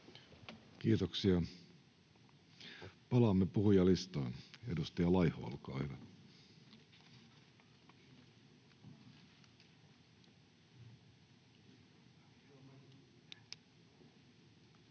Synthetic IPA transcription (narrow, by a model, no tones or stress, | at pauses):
k̟iːt̪oksiɑ | pɑlɑmːepuhujɑlist̪oinedust̪ɑjɑlɑjhoɑ̰lkɑ̰ːhyʋæ